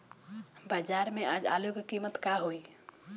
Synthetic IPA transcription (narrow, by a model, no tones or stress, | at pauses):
bad͡ʒaɾmead͡ʒa̰loɡkimət̪kaɦoj